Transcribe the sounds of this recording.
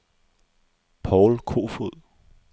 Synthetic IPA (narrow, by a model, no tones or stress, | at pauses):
pʰɒʊlkʰo̝̰ːfuð̰ˠ